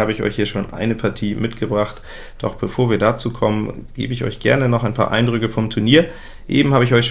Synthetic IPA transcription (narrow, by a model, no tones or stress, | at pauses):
aːbəɪçʔɔ̰ʏçhiːɐʃoːnʔa̰ɪnəpʰaɐtʰiːmɪtɡ̥əbʁaχt | d̥ɔ̰χb̥əfoːɐviːɐdat͡suːkʰɔmənɡ̥ḛːbəɪçɔ̰ʏçɡ̥ɛ̰ɐnənɔχaɪnpʰa̰ːɐʔa̰ɪndʁʏkəfɔmtʰʊɐniːɐ | ʔḛːbm̩haːbəɪçʔɔʏçʃ